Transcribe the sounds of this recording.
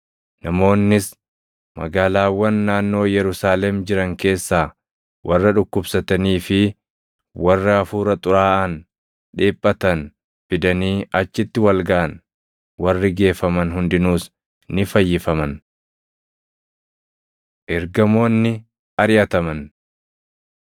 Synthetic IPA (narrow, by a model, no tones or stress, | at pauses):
nɐmo̞ːnːɪs | mɐ̰ɡaːlaːwːɐnːaːnːo̞ːjɛɾʊsaːlɛmd͡ʒɪɾɐŋke̞ːsːaː | wʔɐrːɐᶑʊkːʊbsɐt̪ɐniːfɪ | wɐrːɐɐfuːɾɐt̪ʼʊɾaːʔɐn | ᶑeːpʼːɐt̪ɐn | fɪd̪ɐniːʔɐt͡ʃːɪt̪ːɪwɐlɡaʔɐn | wɐrːɪɡe̞ːfɐmɐnɦʊnd̪ɪnuːs | nɪfɐjːɪfɐmɐn | ʔɛɾɡɐmo̞ːnːɪ | ɐɾɪjɐt̪ɐmɐn